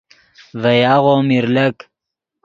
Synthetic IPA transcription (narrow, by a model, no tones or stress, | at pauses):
vɐjaːʁomiɾlɐk